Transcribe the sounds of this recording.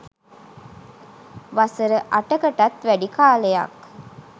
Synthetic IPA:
ʋasəɾəʔaʈəkəʈat̪ʋæɖikaːleja̰k

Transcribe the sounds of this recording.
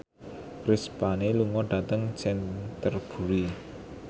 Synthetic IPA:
kɾɪspaneluŋɔɖ̥ä̤t̪əŋsɛnt̪ərb̥ṳɾi

